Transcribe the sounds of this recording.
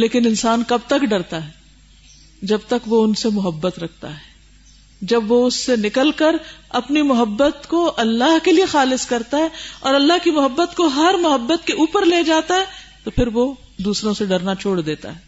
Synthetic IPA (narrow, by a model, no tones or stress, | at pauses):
leːkɪnɪnsaːnkɐb̚t̪ɐkɖɐɾt̪aɦɛː | d͡ʒɐbt̪ɐkʋoʊnsemʊɦəbːət̪ɾɐk̚ʰt̪a̰ɦɛː | d͡ʒɐbʋoʊsːenɪkəlkɐɾɐpnimʊɦəbːət̪koʔɐlːaɦkeliexaːlɪskɐɾt̪aɦɛːɔ̰ːɾɐlːaɦkimʊɦəbːət̪koɦɐɾmʊɦəbːət̪keʔuːpəɾleːd͡ʒaːt̪aɦɛ | t̪opʰɪɾʋo | d̪uːsɾõseɖɐɾnat͡ʃʰoːɽd̪eːt̪a̰ɦɛː